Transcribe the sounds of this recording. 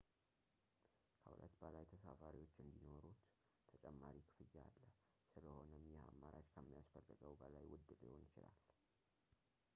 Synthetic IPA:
kʰəhʊ̰lʔə̰t̪bəlajt̪ʰəsafaɾiwo̞t͡ʃːɨnd̪ino̞ɾut̪ʰ | ət͡ʃʼɛmːaɾikʰɨ̥fɨjːaalːə | sɨləho̞nəmjɛamːaɾat͡ʃkʰəmːijasfəlːɨɡəwbəlajwʊd̪ːɨliho̞nɪt͡ʃɪlal

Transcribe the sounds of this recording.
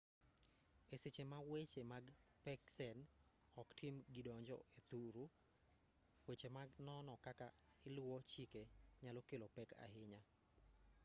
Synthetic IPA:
eset͡ʃemawet͡ʃemaɡpɛksɛn | ɔktɪmɡɪdɔɲd͡ʒɔ̰et̪uɾu | wet͡ʃemaɡnɔnɔkakaɪlwɔt͡ʃikeɲalɔkelopɛka̰ɦɪɲa

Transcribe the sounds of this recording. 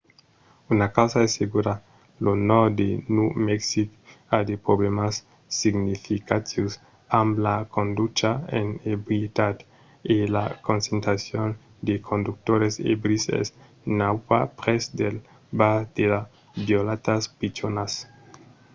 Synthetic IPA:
unakawsaesːeɣuɾa | lonod̪enumeksikad̪epɾoβlemasː | iɡnifikat̪ius | amblakond̪ut͡ʃaḛnebɾjet̪ad̪ | ela̰konsent̪ɾasjon | d̪ekʰond̪uk̚t̪oɾesḛbɾisḛs | nawba̰pɾesd̪el | baɾd̪̥ela | bjolat̪aspit͡ʃonas

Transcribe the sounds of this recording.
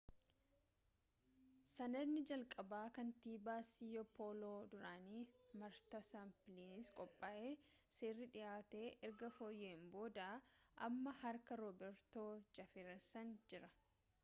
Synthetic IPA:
sɐnɐd̪nɪd͡ʒɐlkʼɐbaːkɐnt̪iːbaːsɪjɔpʰoːloːd̪ʊɾaːniːmɐɾt̪ɐsamplinɪskʼɔpʼːaːʔeːseːrːɪᶑɪjaːt̪e̞ːʔɛɾɡɐfoːjːeːmbo̞ːd̪aʔɐmːɐhɐɾkɐɾɔːbɛɾt̪oːd͡ʒɐfɪɾɛsɐnd͡ʒɪɾɐ

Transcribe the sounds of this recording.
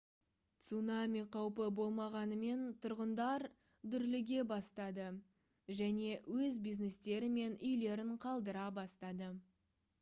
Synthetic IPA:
t̪sunamʲijqʰɑwpəbo̞lˠmɑʁɑnəme̞nt̪ʰʊɾʁənd̪ɑɾ | d̪ʏɾlɪɡʲe̞bɑst̪ɑd̪ə | ʒæne̞wɵzbijznest̪e̞ɾɪme̞nʔʏjle̞ɾɪɴqʰɑlˠd̪əɾɑbɑst̪ɑd̪ə

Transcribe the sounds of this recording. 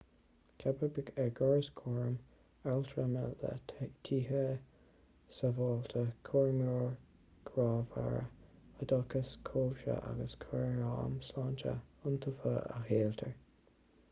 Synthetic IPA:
kʰabəbɪɡɛɡɔɹəskʰɔɹm | alt̪ʰɹəmələ̰tʰiːɦə | səvɔːlt̪ʰəkʰɔɹmjoːɹ | kʰɾɑːva̰ɹə̰əd̪ɑkəskʰoːvʃə̰ʔa̰ɡəskʰwɛɹɹɑːmslɑːnt͡ʃə̰ʊnt̪ʰəfəa̰xeːlt̪ʰəɹ

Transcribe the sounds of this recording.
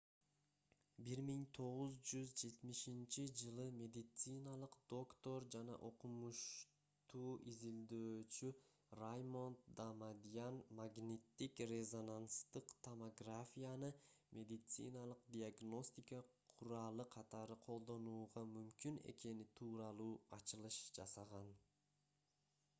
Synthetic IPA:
biɾmiŋt̪ʰo̞ʁuzd͡ʒyzd͡ʒe̞t̪miʃint͡ʃid͡ʒɯlˠɯmʲe̞d̪it̪sɨnalˠɯqd̪̥o̞kt̪o̞ɾd͡ʒanɑ̰ʔo̞qumuʃ | t̪uːʔizild̪øːt͡ʃy | rajmo̞nt̪d̪amad̪ʲijanmaɡnʲit̪ːikrʲezo̞nanst̪ɯqt̪ʰomoɡrafʲijanɯmʲʔe̞d̪ʲit̪sɨ̰nalˠɯq̚d̪ʲiaɡno̞sʲt̪ʲikəqʰuɾɑːlˠɯqʰɑt̪ɑɾɯqʰo̞lˠd̪o̞nuːʁɑmymkyne̞̰ke̞nit̪ʰuːɾɑlˠuːɑt͡ʃɯlˠɯʃd͡ʒɑsɑʁɑn

